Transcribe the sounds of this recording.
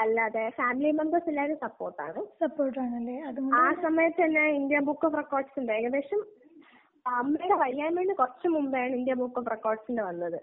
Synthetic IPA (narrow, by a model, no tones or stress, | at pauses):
ɐlːaːðefaːmilimembɐrsilːaːuɾusɐpːo̞ːrʈːa̰ːɳɨsɐpːoːrʈːaːɳɐlːeɐðuaːsɐmɐjɐt̪ːɐnːeind̪jɐbukːofrekːoːrɖsinɖʋeːɣɐðeːʂɐm | ɐmːejuɽeʋɐɻijːaːnʋeːɳɖikorɐt͡ɕːɐmumbejaːɳɨind̪jɐbuːkːoːfrekːoːrɖsinɖeʋɐnːɐðɨ